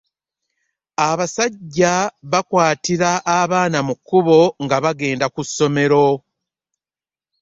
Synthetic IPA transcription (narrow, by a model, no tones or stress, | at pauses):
aβasaɟːaβakwaːtiɾaʔːβaːnamukːuβo̞ŋɡaβaɡe̞ːndakusːo̞me̞ɾo̞